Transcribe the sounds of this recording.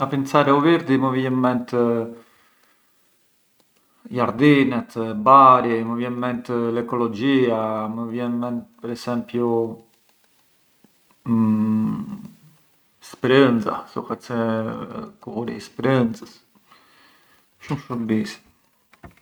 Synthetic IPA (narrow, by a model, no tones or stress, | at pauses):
apint͡saɾɛuviɾd̪iməvjɛmmɛnt̪ə | jaɾd̪inɛt̪baɾiməvjɛmmɛnt̪lɛkɔlɔd͡ʑiaməvjɛnmɛnt̪̚pɛɾɛsɛmpju | spɾənza̰sɔkat͡sɛ | kuɾḭspɾənzəs | ʃumʃumbis